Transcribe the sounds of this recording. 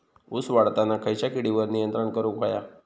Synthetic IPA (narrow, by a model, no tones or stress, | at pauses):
usʋaɽt̪anakʰəjt͡ɕjakiɽiʋəɾnijənt̪ɾəɳkəɾukʰaja